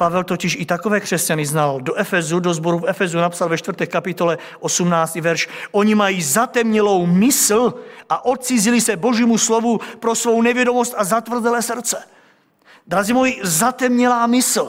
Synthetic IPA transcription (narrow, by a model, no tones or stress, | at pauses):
pavɛlt̪ocɪʃit̪akovɛːkr̝̥ɛscaniznaldoʔɛfɛzudozboɾufɛfɛzunapsalvɛt͡ʃt̪vr̩t̪ɛːkapɪt̪o̞lɛ | ʔosumnaːst̪ivɛɾʃʔoɲimajizat̪ɛmɲɛlo̞wmɪsl̩ʔaʔot̪̚t͡sizilisɛboʒiːmuslovupɾosvo̞wnɛvjɛdomost̪azat̪vr̩zɛlɛːsr̩t͡sɛ | d̪ɾazimojizat̪ɛmɲɛlaːmɪsl̩